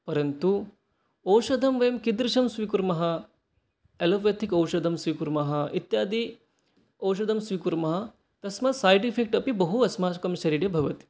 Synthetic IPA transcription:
pɐɾɐnt̪u | ɐwʃɐd̪ʱɐmʋɐjɐmkid̪ɾiʃɐmsʋikuɾmɐɦɐ | elɐʋjɐt̪ʰikɐwʃɐd̪ʱɐmsʋikuɾmɐɦɐ̆it̪jaːd̪i | ɐwʃ̬ɐd̪ʱɐmsʋikuɾmɐɦɐ | t̪ɐsmɐsaːjʈipʰek̚ʈɐpibɐɦuɐsmaːkɐmʃɐɾiɖjɐbʱɐʋɐt̪i̥

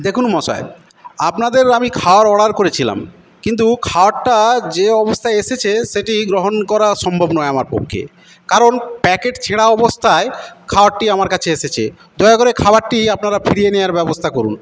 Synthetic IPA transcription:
d̪ekʰunmɔʃa̰e | apnad̪eɾamikʰaoaɾɔɽaɾkoɾet͡ɕʰila̰m | kint̪̬ukʰaoaʈːad͡ʑeɔbost̪ʰaeeʃet͡ɕʰeʃeʈiɡɾoɦonkɔɾaɾʃɔmbʱobnɔeamaɾpo̰kʰːḛ | kaɾonpɛkeʈt͡ɕʰeɽaɔbost̪ʰaekʰaoaʈʈiamaɾkat͡ɕʰeeʃet͡ɕʰḛ | d̪ɔeakoɾekʰabaɾʈiapnaɾafʰiɽijenejaɾbɛbost̪ʰakoɾun

